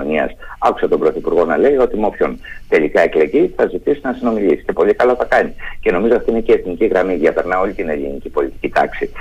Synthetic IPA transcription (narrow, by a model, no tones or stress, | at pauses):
oɲiɐ̰sɐku̥sɐt̪o̞mbɾo̞θipuɾɣo̞nɐle̞io̞t̪imo̞pço̞nt̪e̞likɐe̞kle̞ʝiθɐzit̪isinɐsino̞milisi̥ce̞po̞likɐloθɐkɐɲice̞no̞mizo̞ɐft̪iineceeθniciɣɾɐmiðɐpe̞ɾnɐo̞lit̪ine̞linicipo̞lʲit̪i̥cit̪ɐ̰ksi